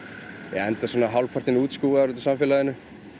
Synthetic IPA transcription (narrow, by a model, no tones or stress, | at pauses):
jɛ̰ɛnt̪asɔːnaɦawlpʰaɾ̥t̪ɪnuːt̪skuːɣaaɾʏt̪̬ʏ̥samfɛːlaðɪnːʏ